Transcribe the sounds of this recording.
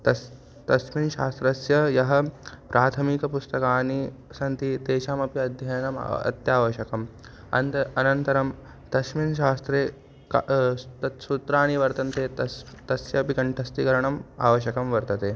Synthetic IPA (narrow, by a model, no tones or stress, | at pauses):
t̪ɐ | t̪ɐʃminʃaːst̪ɾɐsjɐjɐɦɐ̆pɾʔaːt̪ʰɐmikɐpust̪ɐkaːnisɐnt̪it̪eːʃaːmɐpiɐd̪ʱjɐjɐnɐm̰ɐ̰t̪jaːʋɐʃjɐkɐm | ɐ̰nt̪ɐɐnɐnt̪ɐɾɐm | t̪ɐʃminʃ̬aːst̪ɾeː | kt̪ɐt̪sut̪ɾaːniʋɐɾt̪ɐnt̪eːt̪ɐt̪ɐsjɐpikɐɳʈʰɐst̪ikɐɾɐɳɐma̰ːʋɐʃjɐkɐmʋɐɾt̪ɐt̪eː